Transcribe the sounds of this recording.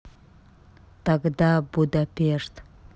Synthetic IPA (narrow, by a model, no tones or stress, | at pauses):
t̪aɡd̪abud̪apʲeʃt̪